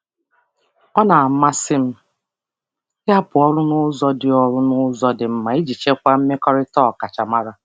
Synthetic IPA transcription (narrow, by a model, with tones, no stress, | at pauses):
ɔ˦na˨a˨m̩˦ma˦sɪ˦m̩˦ | ja˦pʊ˨ɔ˦ɾʊ˦nʊ˦zɔ˦dɪ˨ɔ˨ɾʊ˦nʊ˦zɔ˦dɪ˨m̩˦ma˨i˦d͡ʒi˨t͡ʃe˦kʷa˦m̩˦me˦kɔ˦ɾɪ˦tɔ˦˨ka˨t͡ʃa˨ma˦ɾa˦